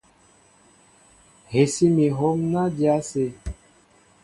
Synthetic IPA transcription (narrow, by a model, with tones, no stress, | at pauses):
he˨si˦mi˨ɦɔ˦mna˦d͡ʒja˦se˧